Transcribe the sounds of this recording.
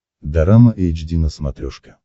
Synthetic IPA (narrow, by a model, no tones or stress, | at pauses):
d̪ɐɾaməʔejd͡ʒd̪ʲinəsmɐt̪ɾʲoʂkə̥